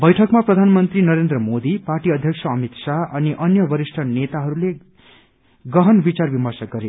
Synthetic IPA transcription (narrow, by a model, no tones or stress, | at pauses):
bʌjʈʰʌkmaprʌd̪ʱanmʌnt̪rinʌɾend̪rʌmod̪iparʈiʌd̪ʱjʌksʰʌːmit̪saʔʌniʔʌnjʌbʌɾisʈʰʌnet̪aɦʌɾule | ɡʌɦʌnbit͡sarbimʌrsʌk̚ɡʌɾe